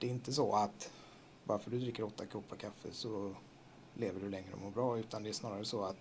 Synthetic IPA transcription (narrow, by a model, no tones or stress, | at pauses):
d̪̥ɛɪnt̪əs̬ɔʔat̪ | bɑ̰ɾfœɖɵd̪ɾɪkːəɾɔt̪ːakʰɔpːakʰafːə̰sɔ | leːvəɖɵlɛŋːɾə̰ɔ̰mɔbɾɑːʉ̟ːt̪and̪ɛæʂsnɑːɾaɾəsɔat̪